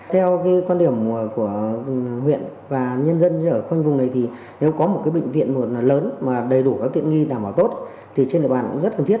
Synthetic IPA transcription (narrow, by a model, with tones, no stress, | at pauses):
t̪ʰɛ˧wkaː˨˦kwa˧nɗi˨˩əm˨˩ku˧˩əhwḭ˧˨ənvaː˨˩ɲə˧nzə˧nəː˧˩xwa˧jŋ̟vʊ˨˩ŋ͡mna˨˩jt̪ʰi˨˩ | ne˨˦wkɔ˨˦mo˨˩t̚kaː˨˦jɓḛ˧˨ŋ̟vḭ˧˨ənmo˨˩t̚ləː˨˦nmaː˨˩ɗə˨˩jɗu˧˩kaː˨˦k̚t̪ḭ˧˨ə˨nŋi˧ɗaː˧˩mɓaː˧˩wt̪o˦˥t̚ | t̪ʰi˨˩t͡ɕe˧nɗḭ˧˨˩ɓaː˧˨kzə˦˥t̚kə˧˩ŋt̪ʰi˦˥ət